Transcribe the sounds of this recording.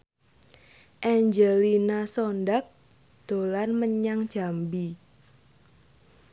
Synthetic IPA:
ʔɛɲd͡ʒəlinasɔndak̚ | d̪̥o̤lanməɲaŋ̥ʒ̥a̤mbi

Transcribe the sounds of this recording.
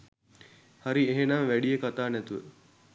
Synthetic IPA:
haɾieɦenamʋæɖijekat̪aːnɛt̪uʋə̰

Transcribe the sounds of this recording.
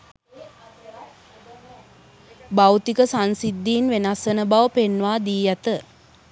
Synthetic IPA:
bawt̪ikəsansid̪ːiːnʋenasənəbaʋəpenʋaːd̪iːjat̪ə

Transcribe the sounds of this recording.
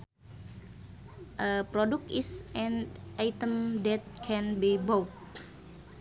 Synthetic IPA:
ʔəpɾodukisʔɛ̃nʔajt̪əmdɛt̪̚kʰɛ̃nbibowt̪̚

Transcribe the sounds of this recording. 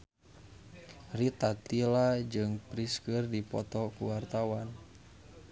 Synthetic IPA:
rit̪at̪ilad͡ʒɨŋpɾiskɨrdipɔ̰t̪ɔkuwart̪awan

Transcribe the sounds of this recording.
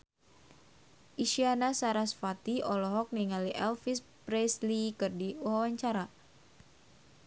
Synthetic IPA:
ʔiʃianasaɾasfat̪iɔlɔɦɔk̚niŋaliʔɛlfispɾɛslikɨrdiwawaɲt͡ʃaɾa

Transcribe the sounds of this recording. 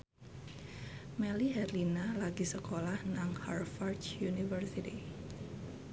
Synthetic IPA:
mɛliɦɛrlinalaɡisəkolahnaŋharfart͡ʃjunifərsiti

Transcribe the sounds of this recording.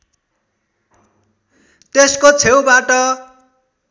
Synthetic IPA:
t̪eskot͡sʰewbaʈʌ

